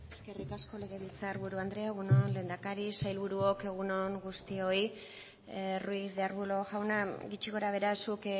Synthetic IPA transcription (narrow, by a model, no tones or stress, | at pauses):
eske̞rikasko̞le̞ɣ̞e̞βilt͡saɾβuɾuand̪ɾeaɣ̞unonle̞ːnd̪akaɾisajlβuɾuoke̞ɣ̞uno̞ŋɡust̪io̞i | ruisðeaɾβulo̞ʝawnaɣit͡ʃiɣo̞ɾaβ̞e̞ɾasuk